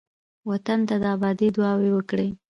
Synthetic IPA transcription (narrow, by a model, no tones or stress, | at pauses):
wat̪ant̪ad̪əabɑd̪id̪wɑwewəkɽe